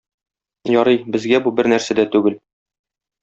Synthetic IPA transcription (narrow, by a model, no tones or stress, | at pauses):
jɒɾɤjbɘ̆zɡæbubɘɾnæɾsæd̪æt̪ʉɡɘl